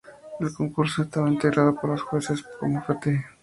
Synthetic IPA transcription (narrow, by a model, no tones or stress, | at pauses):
elko̞ŋkuɾsoest̪aβaent̪eɣɾʔaðopoɾlosxwe̞seskomofet̪e